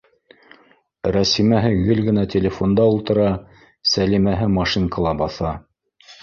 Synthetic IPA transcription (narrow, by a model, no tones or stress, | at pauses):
ɾæsimæɦɘɡɘlɡɘ̆næt̪ʲelʲefond̪ɑulˠt̪ɤ̆ɾɑ | sælimæɦɘmɑʃiŋkɑlˠɑbɑθɑ